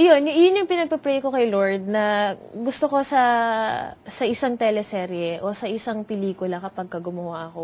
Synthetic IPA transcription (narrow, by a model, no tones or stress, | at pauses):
ɐjonjʊŋʔjʊnːjʊŋpɪnɐɡ̚pɛpɾɛjko̞kɐjlo̞ɹd̪̚nɐɡʊst̪oko̞sɐ | sɐʔɪsaŋt̪ɛlɛsɛːɾjɛʔosɐʔɪsaŋpɪliːkʊlɐkɐpɐɡ̚kɐɡʊmʊhaʔɐko̞